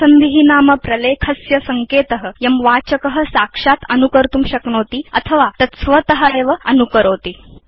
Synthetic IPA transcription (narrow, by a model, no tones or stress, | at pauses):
ənd̪iɦinaːməpɾɐleːkʰɐsjɐsɐŋkeːt̪əɦəjɐmʋat͡ɕəkəɦə̆sakʂat̪ənukəɾt̪uːmɕɐkɳoːt̪iːɐt̪ʰəʋat̪ɐsʋət̪əɦəeːʋəɐnukəɾoːt̪iː